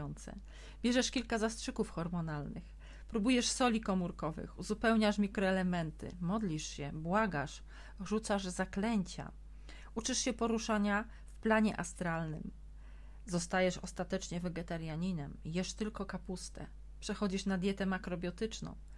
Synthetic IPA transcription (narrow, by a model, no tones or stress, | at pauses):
ɔnt̪sɛ̰ | bʲjɛʐɛʂkʲilkazastʂɘkufxɔɾmɔnalnɘ̰x | pɾubujɛʂsɔlʲikɔmuɾkɔvɘ̰xuzupɛwɲaʂmʲikɾɔɛlɛmɛnt̪ɘ̰mɔd̪lʲiʂɕɛbwaɡaʂ | ʐut̪saʐzaklɛɲt͡ɕa̰ | ut͡ʂɘʂɕɛpɔɾuʂaɲa | fplaɲɛ̰ʔast̪ɾalnɘm | zɔst̪ajɛʂɔst̪at̪ɛt͡ʂɲɛvɛɡɛt̪aɾjaɲinɛmjɛʂt̪ɘlkɔkapust̪ɛ̰ | pʂɛxɔd͡ʑiʂnad̪ʲjɛt̪ɛmakɾɔbʲjɔt̪ɘt͡ʂnɔ̰̃w̃